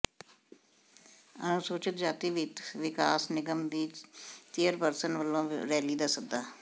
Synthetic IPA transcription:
ə̰nũːsoːt͡ʃət̪d͡ʒaːt̪iːʋɪt̪ʋɪkaːsnɪɡəmd̪iːt̪ɪəɾpəɾsənʋəlːõːɾɛːliːd̪aːsək̚d̪aː

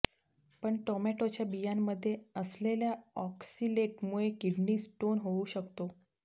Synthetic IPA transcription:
pəɳʈɔmæʈot͡ɕjabijamːəd̪ʱːjeəsleljaɔksileʈmuɭekiɖniːsʈonɦouɕəkt̪o

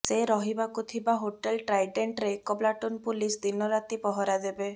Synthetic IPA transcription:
seɾɔɦibakut̪ʰibaɦoʈelʈɾajɖeɳʈɾekɔblaʈunpulisd̪inɔɾat̪ipɔɦɔɾad̪ebe

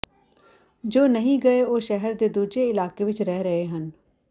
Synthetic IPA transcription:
d͡ʒoːnəɦĩːɡəeoːʃɛɦəɾd̪eːd̪uːd͡ʒeɪlaːkeːʋɪt͡ʃɾɛɦɾəɦeːɦən

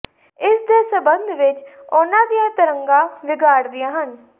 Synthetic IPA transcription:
ɪsd̪eːsəbənd̪ʱʋɪt͡ʃʊnãːd̪ijãːt̪əɾəŋɡãːʋɪɡaːɾd̪ijãːɦən

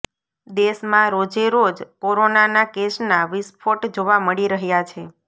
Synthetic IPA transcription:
d̪esmãɾod͡ʒeɾod͡ʒkoɾonanakesnaʋispʰoʈd͡ʒoʋaməɭiɾəɦjat͡ʃʰe

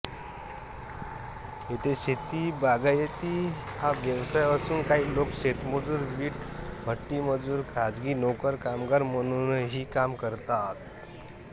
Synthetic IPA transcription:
ɦet̪eɕet̪iːbaɡajet̪iː | haʋjəwsajasuːnkaɦiːlokɕet̪məd͡zuːɾɡiːʈbʱəʈːiməd͡zuːɾkʰad͡zɡiːnokəɾkamɡaɾməñunɦiːkamkəɾt̪at̪

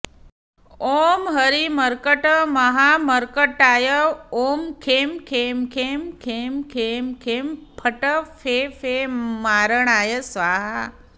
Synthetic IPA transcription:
oːmɦɐɾiməɾkəʈmɐɦaːməɾkəʈaːjəoːmkʰeːmkʰeːmkʰeːmkʰeːmkʰeːmkʰeːmpʰəʈəfʰeːfʰeːmaːɾəɳaːjəsʋaːɦa

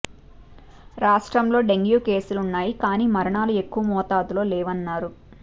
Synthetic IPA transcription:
ɾaːʂʈɾɐmlo̞ːɖe̞ŋɡjuːke̞ːsulunːaːjikaːniːmɐɾɐɳaːlue̞kːuʋɐmɔːt̪aːd̪ulo̞ːlɛːʋɐnːaːɾu

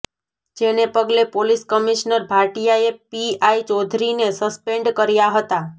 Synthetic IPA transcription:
d͡ʒenepəɡlepoliskəmiʃnəɾbʱaɾʈijaepiait͡ʃɔd̪ʱɾinesəspeɳɖkəɾjaɦət̪a

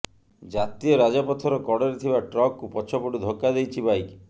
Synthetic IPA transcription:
d͡ʒat̪iɔɾad͡ʒɔpɔt̪ʰɔɾɔkɔɽeɾet̪ʰibaʈɾɔkːupɔt͡ʃʰɔpɔʈud̪ʱokːad̪ejt͡ʃʰibʱaj

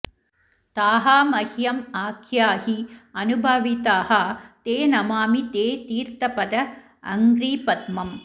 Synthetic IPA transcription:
t̪aːɦaːmɐhjɐmaːkʰjaːhiɐnubʱɐʋit̪aːhɐt̪eːnɐmaːmit̪eːt̪iːɾt̪ɐpɐd̪ɐ | ɐ̰ŋɡɾiːpɐt̪mɐm

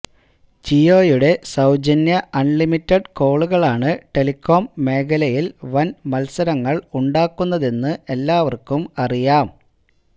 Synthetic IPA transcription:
t͡ɕio̞ːjuɽe̞sɐwd͡ʑɐnjɐʔɐnlimitːɐɖko̞ːɭuɣɐɭaːɳɨʈe̞likʰːo̞ːmːe̞ːkɐlɐjilʋɐnmɐlsɐɾɐŋːɐɭuɳɖaːkːunːɐðe̞nːɨe̞lːaːʋɐrkumɐrijaːm

